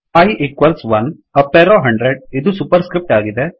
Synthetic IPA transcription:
ɐjʔikʋɐlsʋɐn | ɐpːeːɾoːɦɐɳɖɾeɖ̚id̪usupɐɾskɾip̚ʈaːɡid̪e

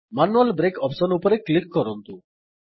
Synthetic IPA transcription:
manualbɾekɔpsɔnupɔɾeklikːɔɾɔnt̪u

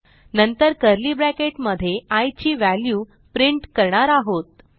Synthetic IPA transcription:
nənt̪əɾkəɾliːbɾækeʈməd̪ʱːjeajt͡ɕiːʋæljuː | pɾiɳʈkəɾɳaɾaɦot̪̚

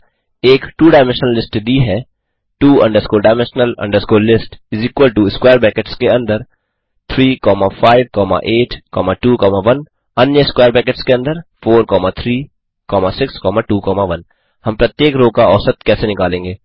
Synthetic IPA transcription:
eːkʈuːɖaːɪmɛ̃nʃnəlːɪsʈd̪iɦɛ | ʈuːɐ̰̃ɳɖəɾskoɖaːmɛ̃nʃnəlɐ̰̃ɳɖəɾskoːlɪsʈɪzikʋəlʈuɪskwaːəɾbɛːkeʈskeɐ̃nd̪əɾ | t̪ʰɾiːkɔːmafʰaːɪʋkɔːma̰ʔeːʈʰkɔːmaʈuːkɔːmaʋɐn | ɐnjəɪskwaːəɾbɛːkeʈskeɐ̃nd̪əɾpʰoːɾkɔːmat̪ʰɾiː | kɔːmasɪkskɔːmaʈuːkɔːmaʋɐn | hɐmpɾɐt̪jeːkɾoːkaɔːsɐt̪kɛːsenɪkaːlẽːŋɡeː

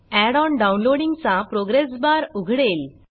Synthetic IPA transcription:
æɽɔɳɖaunloɽiŋɡt͡sapɾoɡɾes̬baɾuɡʱɽel

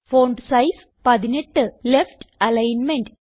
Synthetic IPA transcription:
foːɳɖsɐjs | pɐðineʈːɨlefʈɐlɐjnmenɖ

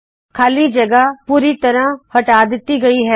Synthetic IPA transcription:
kʰaːliːd͡ʒəɡaːpuːɾiːt̪əɾãːhəʈaːd̪ɪt̪ːiːɡəiːɦɛː

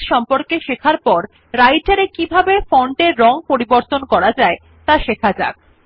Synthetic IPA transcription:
ʃɔmpoɾkeʃekʰaɾpɔɾ | ɾajʈaɾekibʱabefɔɳʈeɾːɔŋpoɾiboɾt̪onkɔɾad͡ʑae | t̪aʃekʰad͡ʑa̰k̚

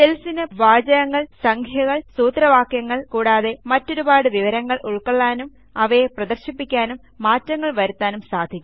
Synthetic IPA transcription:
t̪elsinɨʋaːd͡ʑɐjɐŋːɐɭsɐŋkʰjɐɣɐɭsuːt̪rɐʋaːkjɐŋːɐɭkuːɽaːðe̞mɐtːo̞ɾubaːɽɨʋiʋɐɾɐŋːɐɭuɭkoɭːaːnum | ɐʋɐjeprɐd̪ɐrɕipːikʲːaːnumːaːtːɐŋːɐɭʋɐɾut̪ːaːnumsaːd̪ʱikʲːum

